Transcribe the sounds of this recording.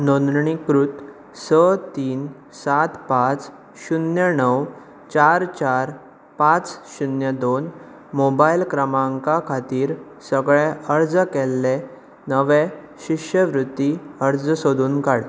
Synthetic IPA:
nond̪ɾɳikɾut̪ | sət̪iːn | sat̪pãt͡s | ɕunjənəw | t͡ɕaɾt͡ɕaɾ | pãt͡sɕunjəd̪on | mobailkɾəmãŋkakʰat̪iːɾ | səɡɭeəɾd͡zəkɛlːe | nəʋe | ɕiʂəʋɾut̪ːiəɾd͡zəsod̪ʱuːnkaɽ

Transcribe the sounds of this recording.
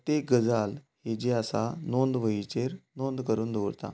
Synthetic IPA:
t̪eɡəd͡zalhed͡ʑeasanond̪ʋəit͡ɕeɾnond̪kəɾuːnd̪ʱoʋɾt̪a̰

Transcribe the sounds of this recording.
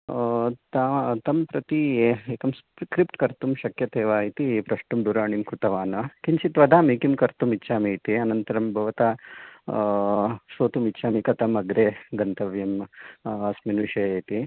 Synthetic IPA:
t̪at̪ɐmpɾɐt̪iekɐmskɾip̚ʈkɐɾt̪umʃɐkjɐt̪eːʋaːit̪ipɾɐʂʈumd̪uɾaːɳimkɾut̪ɐʋaːnɐkint͡ʃit̪ʋɐd̪ʱaːmiːkimkɐɾt̪umitːʃaːmiːt̪iɐnɐnt̪ɐɾɐmbʱɐʋɐt̪aː | soːt̪umitːʃaːmikɐt̪ɐmɐɡɾeːɡɐnt̪ɐʋjɐm | ɐsminuʃɐeːt̪i

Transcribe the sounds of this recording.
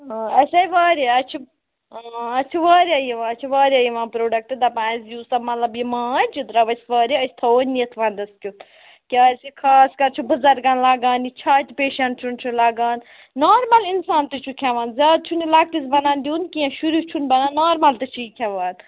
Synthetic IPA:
ɐsʲɐjʋaːɾiɐt͡ʃʰu | ɐt͡ʃʰuʋaːɾʲajiʋãːɐt͡ʃʰuʋaːɾʲajiʋãːnpɾoːɖɐk̚ʈɨd̪ɐpãːsjuːsɐbmɐt̪lɐbjimãːd͡ʒit̪ɾɐʋɐsʲʋaːɾiəsʲt̪ʰɐoːnʲniɐt̪ʰʋɐ̃ːnd̪ɐskʲut̪ | kʲaːɾʲsikʰaːskɐɾt͡ʃʰubɐzɐɾɡaːnlaːɡaːnit͡ʃʰaːt̪ʲipeːʃɐnt͡ʃʰunt͡ʃʰulaːɡaːnː | aːɾmɐlinsaːnt̪ɨt͡ʃʰukʲʰɐʋaːnzʲaːd̪̚t͡ʃʰunilaːk̚ʈ̪isbɐnaːnd̪ʲuːnkiãʃuɾut͡ʃʰunbɐnaːnːaːɾmɐlt̪ɨt͡ʃʰukʰʲaʋaːn

